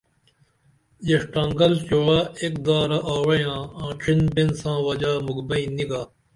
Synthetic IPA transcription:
jeʂʈãːŋɡɐlt͡ɕoːɽaːekd̪aːɾaʔaːwɐjãːãːʈ͡ʂʰinbensãːʋɐd͡ʑaːmuɡbɐĩniɡaː

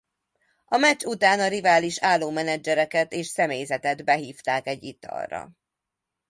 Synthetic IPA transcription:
ɒmɛt͡ʃut̪aːnɒɾivaːliʃaːlːoːmɛnɛd͡ʒɛɾɛkɛt̪eːʃsɛmeːjzɛt̪ɛd̪bɛɦiːft̪aːkɛɟːit̪ɒ̰rːɒ̰

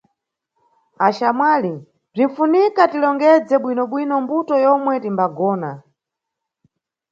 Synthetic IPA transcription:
aʃamwaːli | b͡ʐiɱ̩funikatilɔŋɡɛd͡zɛɓwinɔɓwinɔmbutɔjɔmwɛtimbaɡɔːna

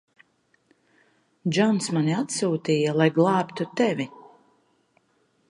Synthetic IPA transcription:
d͡ʒɔnsmaniat̪suːt̪ijalˠajɡlˠɑːpt̪ut̪ɛvʲi

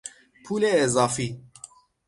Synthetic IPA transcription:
pʰuːleeːzɑːfi

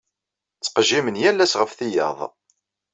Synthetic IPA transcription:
t͡sːqʒːimənjælːæsʁəfθijɑ̰ðˤ

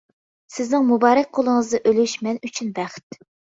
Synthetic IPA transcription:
sɪznɪŋmubɑːɾɛk̚ʲqʰolˠəŋəzd̪ɨʔølyʃmɛnyt͡ʃʰynbæχt̪

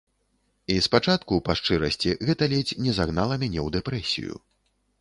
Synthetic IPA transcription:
ispat͡ʂat̪kupaʂt͡ʂɨɾɐsʲt͡sʲiɣɛt̪ɐlʲɛt͡sʲnʲɛzaɣn̪alˠɐmʲanʲɛwd̪ɛpɾɛsʲḭjṵ

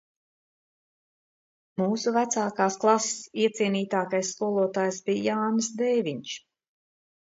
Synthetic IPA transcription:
muːsuvæt̪saːkaːsklˠase̥siɛt̪siɛniːt̪aːkajsːkuɔlˠuɔt̪aːjsbijjaːnsd̪ɛjviɲt͡ʃ

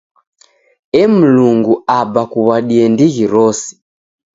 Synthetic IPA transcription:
ɛm̩luŋɡuabakuβaɗiɛndiɣiɾɔsi̥

